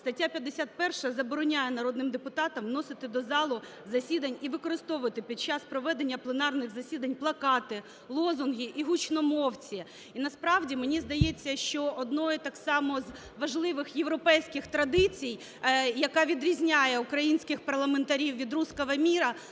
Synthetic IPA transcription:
st̪ɐtʲːapʲjɐd̪ːesʲat̪̚pɛrʃɐzɐbɔɾɔnʲajɛnɐɾɔd̪nɪmd̪epʊt̪ɑt̪ɐmnɔsɪt̪ɪd̪ɔzɑlˠʊ | zɐsʲid̪ɐnʲiʋɪkɔɾɪst̪ɔʋʋɐt̪ɪpʲid̪̚t͡ʃɑspɾɔʋɛd̪enʲːɐplˠenɑrnɪɣzɐsʲid̪ɐnʲplˠɐkɑt̪ɪ | lˠɔzʊnɦʲiʔiɦut͡ʃnɔmɔwt͡sʲi | inɐspɾɑwdʲimenʲizd̪ɐjet͡sʲːɐʃt͡ʃɔʔɔd̪nɔjit̪ɑksɑmɔz | ʋɐʒlˠɪʋɪxjeʋɾɔpɛjsʲkɪxt̪ɾɐd̪ɪt͡sʲij | jɐkɑʋʲid̪ɾʲizʲnʲajɛukɾɐjinʲsʲkɪxpɐrlˠɐment̪ɐɾʲiwʋʲid̪ɾuskɔʋɐmʲiɾɐ

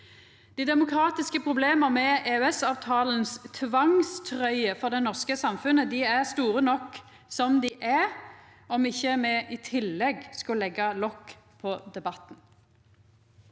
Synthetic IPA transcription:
d̪̥iːd̪ɛmʊkʰɾɑːt̪ɪskəpʰʁʊbleːməʁmɛeːʉɛsɑːʋt̪ʰɑːlənst̪ʰʋɑŋst̪ʰʁœʏəfɔʁd̪ɛnɔʁskəsɑmfʉnəd̪ɪæʁst̪uːʁənɔkː | sɔmd̪ɪʔæ | ɔmɪçːəmɛʔɪt̪ʰɪlːɛɡskɑlɛɡːɑlɔkː | pʰɔd̪ɛbɑt̪n̩

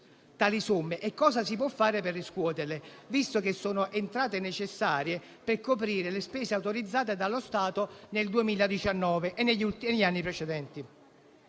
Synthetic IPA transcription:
t̪aːlisomːeʔɛkːɔːzasip̬wɔfːaːɾeperːiskwɔːt̪erlevist̪ok̟esːoːnoʔent̪ɾaːt̪enet͡ʃesːaːɾje | perkop̬ɾiːɾelespɛːseawt̪oɾid̪zːaːt̪̬ed̪alːost̪aːt̪oneld̪uemiːlad̪it͡ʃanːɔːveʔenːeʎːult̪iʎianːipɾet͡ʃed̪ɛnt̪i

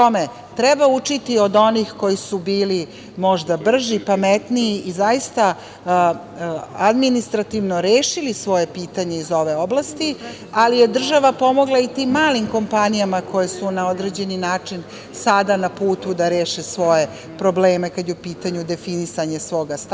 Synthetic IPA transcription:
ome | t̪ɾɛbaut͡ʂit̪io̞d̪o̞nixko̞jisubiːli | mo̞ʒd̪abr̩ʒipamet̪niːizajist̪a | ad̪minist̪ɾat̪iʋno̞ɾeːʃilisʋo̞je̞piːt̪aɲe̞izo̞ʋe̞o̞blˠast̪i | alije̞d̪r̩ʒaʋapo̞mo̞ɡlˠait̪iːmːaːlimko̞mpanijamako̞jesunao̞d̪ɾe̞d͡ʑe̞ninaːt͡ʂin | sad̪anapuːt̪ud̪aɾeːʃesʋo̞je̞ | pɾo̞bleːme̞kad̪jeupiːt̪aɲud̪e̞finisaɲe̞sʋo̞ɡast̪

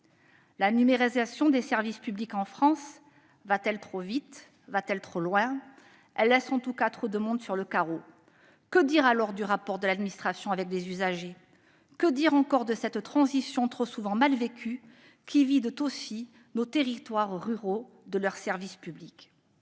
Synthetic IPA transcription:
lanymeʁizasjɔ̃d̪esɛʁvispyblikɑ̃fχɑ̃s | vat̪ɛlt̪χovit̪ | vat̪ɛlt̪χolwɛ̃ | ɛlːɛsɑ̃t̪ukat̪χod̪əmɔ̃d̪syʁləkaʁo | kəd̪iʁalɔʁd̪yʁapɔʁd̪əlad̪minist̪χasjɔ̃avɛk̚d̪ezyzaʒe | kəd̪iʁɑ̃kɔʁd̪əsɛt̪ːχɑ̃zisjɔ̃t̪χosuvɑ̃malvekʰʲy | kʲivid̪t̪osi | not̪eʁit̪waʁʁyʁo | d̪əlœʁsɛʁvispyblik

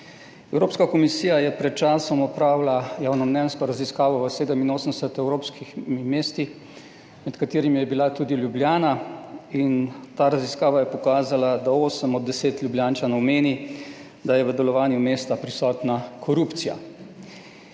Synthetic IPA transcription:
ɛwɾoːpskakɔmisiːjajɛpɾɛt̪̚t͡ʃaːsɔmɔpɾawlajaːwnɔmnɛnskɔɾaziskaːʋɔʋəseːd̪əminoːsənd̪ɛsɛt̪ɛwɾoːpskʰixmimeːst̪ix | mɛt̪kat̪eːɾimijɛbilat̪ud̪iljubljaːnaint̪aːɾaziskaːʋajɛpɔkaːzalad̪aoːsəmɔd̪ːɛseːt̪lʲjubljaːnt͡ʃanɔwmeːni | d̪ajɛʋəd̪ɛlɔʋaːnjumeːst̪apɾisɔːt̪nakʰɔɾuːpt̪sija̰

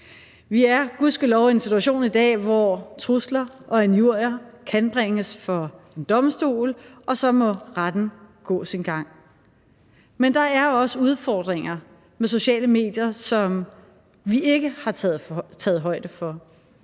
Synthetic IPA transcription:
ʋiæɐɡ̥uðˠsɡ̥ælɒʊie̝nsit͡sʰuæɕo̝̰ːnid̥ɛ̰ːʋɒt͡sʰʁuslɐʔɒ̽ænjuɐ̰jɐkʰænb̥ʁeŋəsfɒ̽e̝nd̥ɒ̽msd̥o̝̰ːlɒ̽sɒ̽mɒ̽ʁad̥n̩ɡ̥ɔ̰̽ːsinɡ̥ɑ̈ŋ̰ | mend̥ɑ̈æɐɒ̽səuð̞ˠfɒːd̥ʁeŋɐ | meso̝ɕɛ̰ːləme̝̰ːd̥jɐsɒ̽m | ʋiʔe̝ɡ̥əhɑ̈ɛð̩t͡sʰɛːð̞̩ˠɦɒ̽ɪd̥əfɒ̽

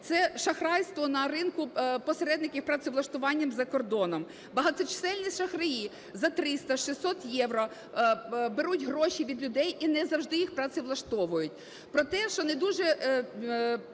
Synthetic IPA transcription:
t̪sɛʃɐxɾɑjst̪ʋɔnɐɾɪnkʊpɔseɾɛd̪nɪkʲiwpɾɐt̪sʲɪʋlˠɐʃt̪ʊʋɑnʲːɐmzɐkɔrd̪ɔnɔm | bɐɦɑt̪ɔt͡ʃɪ̥sɛlʲnʲisʲʃɐxrɪji | zɐt̪ɾɪst̪ɐʃisːɔt̪jɛwɾɔ | beɾutʲɦɾɔʃʲiʋʲid̪lʲʊd̪ɛjinɛzɐwʒd̪ɪjixpɾɐt̪sʲɪʋlˠɐʃt̪ɔʋʊjʊt̚ʲ | pɾɔt̪ɛʃt͡ʃɔnɛd̪uʒɛ

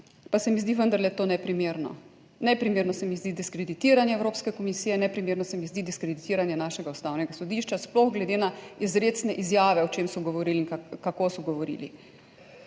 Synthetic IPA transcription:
pasɛmizd̪iʋənd̪aɾlɛt̪oːnɛpɾimeːɾnɔ̰ | nɛpɾimeːɾnɔsɛmizd̪id̪iskɾɛd̪it̪iːɾanjɛɛwɾoːpskɛkɔmisijɛnɛpɾimeːɾnɔsɛmizd̪id̪iskɾɛd̪it̪iːɾanjɛnaːʃɛɡaust̪awnɛɡasɔd̪iʃt͡ʃasplɔɣɡlɛd̪enaizɾeːsnɛʔizjaːʋɛɔt͡ʃemsɔɡɔʋɔɾiːliinkakakosɔɡɔʋɔɾḭːlḭ

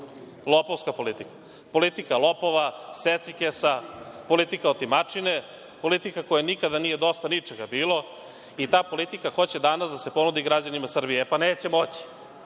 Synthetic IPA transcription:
lˠopoʋskapo̞lit̪ikḁ | po̞lit̪ikalopo̞ʋaset̪sikesapo̞lit̪ikaot̪imat͡ʂine | po̞lit̪ikako̞janikad̪anije̞d̪o̞st̪anit͡ʂeɡabiːlˠo̞ | it̪aːpo̞lit̪ikaxo̞t͡ɕe̞d̪anasd̪ase̞po̞nud̪iɡɾad͡ʑanimasr̩bijepaneːt͡ɕe̞mo̞t͡ɕi̥

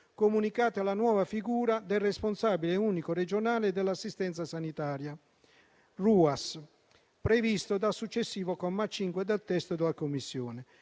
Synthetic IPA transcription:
komunikaːt̪alanwɔːvafiɡuːɾad̪ɛlrɛsponsabilɛuːnikored͡ʒonaːlɪd̪ɛlːasːist̪ɛnsasanit̪aːɾja | ruːas | pɾevist̪od̪asːut͡ʃːesːiːvokɔmːat͡ʃːiŋkwed̪ɛlt̪ɛst̪od̪ɪlakomːisːjɔːnɪ

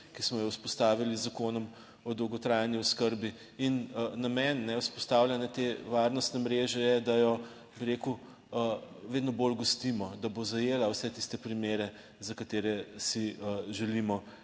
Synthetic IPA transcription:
kismɔjɔwspɔst̪aːʋilizakoːnɔm | ɔd̪ɔwɡɔt̪ɾajniɔskəɾbi | innamɛnːɛuspɔst̪awlʲjanɛt̪eʋaɾnɔst̪nɛmɾeːʒɛjɛd̪ajɔ | biɾeku | ʋeːd̪nɔbolɡɔst̪imɔd̪abozajeːlawsɛt̪ist̪ɛpɾimeːɾɛ | zakat̪eːɾɛsiʒɛlimɔ

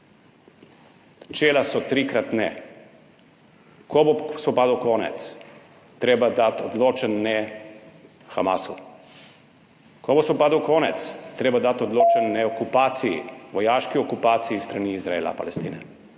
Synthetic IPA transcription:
t͡ʃeːlasɔt̪ɾiːkɾat̪nɛ | kobosvɔpaːd̪awkoːnɛ̰t̪s | t̪ɾeːbad̪at̪ɔd̪loːt͡ʃɛnːɛ | xa̰masṵ | kobosʋɔpaːd̪awkoːnɛt̪st̪ɾeːbad̪at̪ɔd̪loːt͡ʃɛnːɛɔkupaːt̪siḭʋɔjaːʃkiɔkupaːt̪sijist̪ɾaniizɾaeːla̰pa̰lɛst̪ḭːnɛ̰

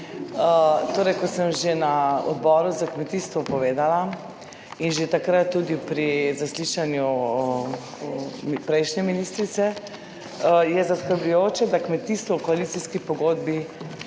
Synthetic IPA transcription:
ət̪oːɾɛjkɔsəmʒenaɔ̰d̪bɔːɾuzakmɛt̪iːst̪ʋɔpɔʋeːd̪ala | inʒet̪akɾat̪ːuːd̪ipɾizasliʃanju | pɾɛjʃnɛminiːst̪ɾit̪sɛ | jɛzaskəɾblujoːt͡ʃɛd̪akmɛt̪iːst̪ʋɔwkɔalit̪siskipɔɡod̪bi

